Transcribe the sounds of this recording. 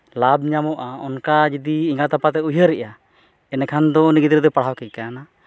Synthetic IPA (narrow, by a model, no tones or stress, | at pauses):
lab̚ɲamɔʔaɔnkad͡ʒid̪iːŋɡat̪apat̪ɛujɦəɾɛʔa | ɛnɛkʰand̪ɔniɡid̪ɾd̪ɔpaɽ̤awkɛkana